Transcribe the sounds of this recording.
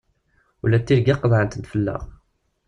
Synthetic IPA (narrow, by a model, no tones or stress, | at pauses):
ulːæt̪ːiɾɡaqːəðˤʕənt̪ənt̪fəlːə̰ʁ